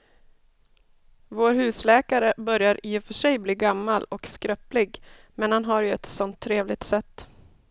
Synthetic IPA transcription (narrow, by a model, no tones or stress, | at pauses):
voːɾɦʉ̟ːslɛːkaɾəbœɾjaɾiːfœʂɛjbliːɡamːalɔkskɾœplɪɡ | mɛnhanɦaɾjɵɛt̪sɔnt̪ʰːɾeːvlɪɡ̚t̪sɛt̪ː